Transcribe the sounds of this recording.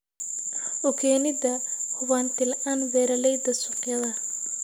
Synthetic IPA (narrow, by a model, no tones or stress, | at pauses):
ʔʊkʰɛːnɪd̪ɐhʊβaːnt̪ɪlaːnwɛːɾɐlɛjd̪ɐsʊqjɐðɐ